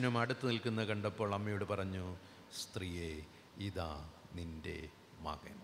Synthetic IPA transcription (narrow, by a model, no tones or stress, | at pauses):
numɐɽut̪ːɨnilkunːɐkɐɳɖɐpːo̞ːɭɐmːɐjoːɽupɐrɐɲːu | st̪rije | iða̰ː | ninde̞̰ | ma̰ɣɐ̰m